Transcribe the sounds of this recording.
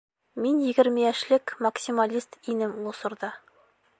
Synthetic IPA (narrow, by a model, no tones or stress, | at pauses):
minjɘ̆ɡɘ̆ɾmɘjæʃlɘkmɐksʲimalʲist̪inɘmlˠŏsŏɾd̪ɑ